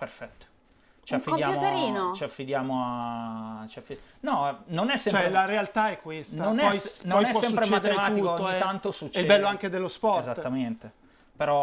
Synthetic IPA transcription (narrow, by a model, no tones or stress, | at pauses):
peɾfɛt̪ːo̥ | t͡ʃiafːid̪jaːumt̪eɾiːnot͡ʃiafːid̪jaːmoa | t͡ʃiafinɔnonɛsːɛmt͡ʃoɛlaɾealt̪aɛkːwestnaonɛpɔjnɔjnɛswɔsɛmspɾet͡ʃmːɛaːd̪eemat̪uiot̪ːoɛant̪osut͡ʃːɛilɛbɛlːoaŋk̟ed̪elːospɔrzat̪ːament̪e | peɾɔ